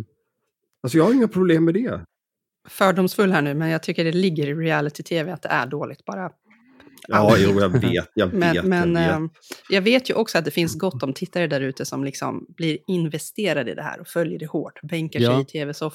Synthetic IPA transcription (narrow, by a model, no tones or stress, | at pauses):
als̬ɔjɑɡhaɾɪŋapʰɾʊbleːmːɛd̪ɛ | fœːɖʊmsfɵlːhæːɳʉ̟ːmɛnjɑːt̪ʰʏkːəɖɛlɪɡːəɾɪɾɪælɪt̪ʰɪt̪ʰeːvɛat̪̚d̪ɛ̰ʔæ̰ɖoːlɪɡ̚t̪̚b̥ɑːɾa | ɑjuːjɑveːt̪jɑmɛːmɛn | jɑːɡveːt̪jɵʔɔksɔat̪̚d̪ɛfɪnsɡɔt̪ːɔmt̪ʰɪt̪ːaɾəd̪æɾʉ̟ːt̪əsɔmlɪksɔ̰mbliɾɪnvɛst̪eːɾad̪əɪ̰d̪ɛhæ̰ːɾɔfœljəɖɛhoːʈːbɛŋkaɛt̪ʰeːvɛsɔf